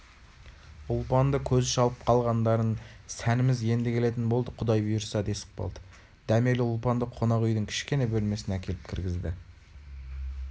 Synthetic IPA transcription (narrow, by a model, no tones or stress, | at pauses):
ʊlˠpɑnd̪əkʲʰɵzɪʃɑlˠəp̚qʰɑlˠʁɑnd̪ɑɾənsænɪmɪzje̞nd̪ɪkʲʰe̞le̞t̪ɪnbo̞lˠd̪əqʰʊd̪ɑjbʏjʊɾsɑd̪e̞sɪ̥q̚bo̰lˠd̪ə̥ | d̪̥æme̞lɪʊlˠpɑnd̪əqʰːonɑʁʏjd̪ɪŋkʲʰɪ̥ʃkʲe̞ne̞bɵlme̞sɪnækʲʰe̞lɪp̚kʲʰɪɾɡʲɪzd̪ɪ